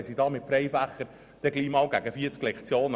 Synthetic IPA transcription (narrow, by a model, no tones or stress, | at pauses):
sid̪ɑːmɪt̚fɾɛjfæχːəɾ | d̥ɛɡliːmɑːlɡæɡəfiət͡sklɛkt͡sjoːn